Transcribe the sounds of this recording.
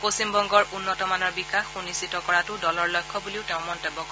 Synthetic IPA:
posimbɔŋɡɔɹunːɔtɔmanɔɹbikaxunisitɔkɔɹatʊdɔlɔɹlɔjkʰːɔbuliʊteʊ̃mɔntebːɔkɔ

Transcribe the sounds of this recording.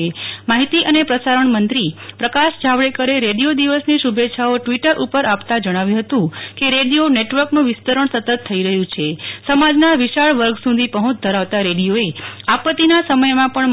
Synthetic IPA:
emaɦit̪iʔənepɾəsaɾəɳmənt̪ɾipɾəkaʃd͡ʒʱaʋɭekəɾeɾeɽijod̪iʋəsniʃubeːt͡ʃʰaoʈʋiʈəɾʔupəɾapt̪ad͡ʒəɽ̃aʋjũɦət̪ũkeɾeɽijoneʈʋəɾknũʋɪst̪əɾəɳ̃sət̪ət̪ʰːəiɾəɦjũt͡ʃʰesəmad͡ʒnaʋiʃaɭʋəɾɡsũd̪ʱipəɦũt͡ʃd̪ʱəɾaʋt̪aɾeɽijoeapət̪inasəməjmãpəɳ

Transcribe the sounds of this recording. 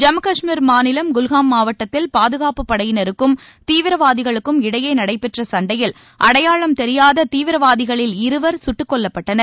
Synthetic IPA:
d͡ʒɐmɐkɐʂmiɾmaːnɪlɐmɡʊlɣaːmːaːʋɐʈːɐt̪ːɪlpaːðɯɣaːpɯpːɐɽɐjɪnɐɾɯkːɯmt̪iːʋɪɾɐʋaːðɪɣɐɭɯkːɯmɪɽɐjɐɪnɐɽɐɪpːɛʈrɐsɐɳɖɐjɪl | ʔɐɽɐjaːɭɐmt̪ɛɾɪjaːðɐt̪iːʋɪɾɐʋaːðɪɣɐɭɪlɪɾɯʋɐɾsʊʈːɯkːɔɭːɐpːɐʈːɐnɐɾ

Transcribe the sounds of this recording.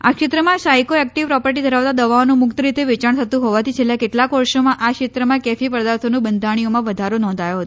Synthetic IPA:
a̰kʃɪt̪ɾəmãsajkoɛk̚ʈiʋpɾɔpəɾʈid̪ʱəɾaʋt̪ad̪əʋaonũmʊkt̪əɾit̪eʋet͡ʃaɳ̃t̪ʰət̪ũɦɔʋat̪ʰit͡ʃʰelːakeʈlakɔɾʃomãʔakʂɪt̪ɾəmãkɛfipɾəd̪aɾt̪ʰonũbənd̪ʱaɽ̃ijomãʋəd̪ʱaɾonɔ̃nd̪ʱajoɦət̪o

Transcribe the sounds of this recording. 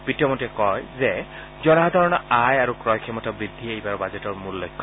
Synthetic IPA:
b̥itiɔmɔtɛkɔjzɛ | zɔnaɦd̪ʱaɹɔnɔajaɹukɹɔjkʰɛmɔtabɹid̪ʱːiejbaɹbazɛtɔɹmulːɔjkʰːɔ

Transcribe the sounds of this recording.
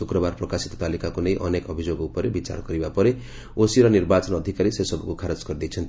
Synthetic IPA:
ukɾɔbaɾpɾɔkasi̥t̪ɔ̥t̪alikakunejʔɔnekɔbʱid͡ʒoɡupɔɾebit͡ʃa̰ɾɔkɔɾibapɔɾe | osiɾɔniɾbat͡ʃɔnɔd̪ʱikaɾisesɔbɔkukʰaɾɔd͡ʒkɔɾd̪ejt͡ʃʰɔnt̪

